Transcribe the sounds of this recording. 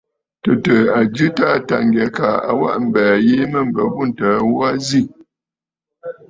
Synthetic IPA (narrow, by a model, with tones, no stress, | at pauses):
tə˨tə˨a˨d͡ʒʉ˦ta˦ta̰˨ŋɡɛ˨˦ka˨a̰˨wa̰˦ʔm̩˨bæː˨je˦mə˦˨m̩˨bə˨bu˦n̩˨taː˨˦wa˦zi˦˨